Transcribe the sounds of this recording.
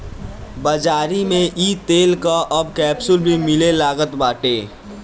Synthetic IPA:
bəd͡ʒaːɾimẽʔiːt̪eːlkaʔəbkɛːbsʊlbʱimɪlelaːɡət̪baːʈeː

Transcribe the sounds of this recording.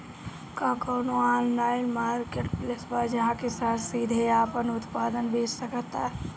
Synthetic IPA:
kakɔːnoaːllaːɪnmaːɾkeːʈplesbad͡ʒɐɦãkesaːt̪siːd̪ʱeaːpənʊt̪paːd̪ənbʱeːt͡ʃsɐkt̪a̰ɦɛ

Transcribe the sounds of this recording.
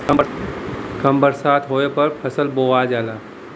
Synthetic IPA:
kə̃mbəɾsaːt̪ʰɦoːepɐɾpʰəsəlboːad͡ʒaːlaː

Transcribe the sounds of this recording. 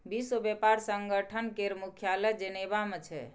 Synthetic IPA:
bisobepaɾsəŋɡəʈʰənkeɾmukʰjaləjd͡ʒənebamet͡ʃʰɛ̰

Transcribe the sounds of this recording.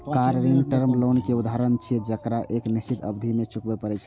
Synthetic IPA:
kaɾːinʈəɾmlonkeud̪ʱaɾənt͡ʃʰid͡ʒəkɾaʔeknist͡ʃit̪ʰə̰bd̪ʱimet͡ʃukbepəɾɛt͡ʃʰ

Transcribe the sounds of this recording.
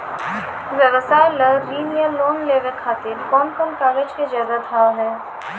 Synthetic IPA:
ʋjəʋsaːeləɾiːnijəloːnleːʋekʰaːt̪ɪɾkɔːnkɔnkaːɡəd͡ʒked͡ʒɛːzad̪ʱaːwɦɛː

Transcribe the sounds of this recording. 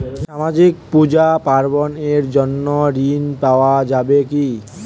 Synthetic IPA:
ʃamad͡ʑik̚pud͡ʑapaɾboneɾd͡ʑonːoɾinpaoad͡ʑabeki

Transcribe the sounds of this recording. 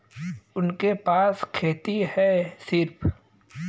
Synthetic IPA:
ʊnkepaːskʰeːt̪ihɛsɪɾpʰ

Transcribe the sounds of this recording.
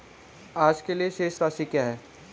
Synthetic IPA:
aːd͡ʒkelieʃeːʃɾaːʃikjaːɦɛː

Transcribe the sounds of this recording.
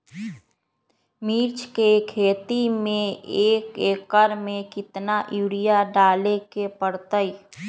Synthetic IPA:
miːɾt͡ʃʰkekʰeːt̪imẽeːkeːkəɾmẽkɪt̪naʔjuːɽijaɖaːlekepəɽt̪əi

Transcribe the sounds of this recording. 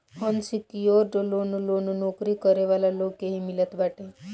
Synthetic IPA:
hɔnsikioɾɖolonolononokɾikɔɾeʋalalokeɦimilət̪baʈe

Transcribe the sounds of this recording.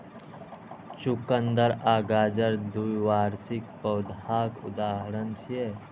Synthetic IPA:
t͡ʃʊkənd̪əɾaːɡaːd͡ʒəɾd̪ujʋaːɾsɪk̚pɐʊd̪ʱaːkʊ̰d̪aːɦəɾənt͡ʃʰie

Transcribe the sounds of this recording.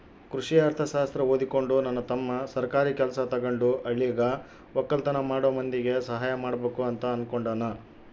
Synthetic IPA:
kɾuʂijaːɾt̪ʰɐʃaːst̪ɾɐɦoːd̪iko̞ɳɖunɐnːɐt̪ɐmːɐsɐɾkaːɾiːkʲɛlɐsɐt̪ɐɡɐɳɖuʔɐɭːiɐɡɐ | ʋɔkːɐlt̪ɐnɐmaːɽɔːɐmɐnd̪iɡe̞sɐɦaːjɐmaːɽɐbeːkuɐnt̪ɐːnkoɳɖɐːnɐ

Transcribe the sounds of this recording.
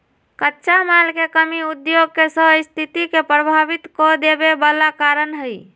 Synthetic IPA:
kətːʃamalkekəmiud̪joɡ̚kesəst̪ʰit̪ikepɾəbʱabit̪kɔd̪ebebəlakaɾənɦəj

